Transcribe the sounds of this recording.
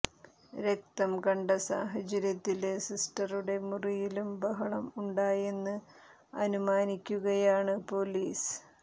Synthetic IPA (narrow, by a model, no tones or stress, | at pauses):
ɾek̚t̪ɐmkɐɳɖɐsa̰ːɦɐt͡ɕɐɾjɐt̪ːile̞sisʈɐruɽe̞murijilumbɐɦɐɭɐmuɳɖaːje̞nːɨ | ɐ̰numaːnikʲːuɣɐjaːɳɨpo̞liːs